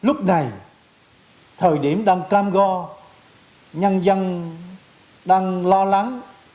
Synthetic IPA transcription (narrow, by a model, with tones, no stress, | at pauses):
lʊ˦˥k͡p̚na˨˩j | t̪ʰəː˨˩jɗi˧˩əmɗaː˧ŋkaː˧mɣɔ˧ | ɲə˧nzə˧n | ɗaː˧ŋlɔ˧la˨˦ŋ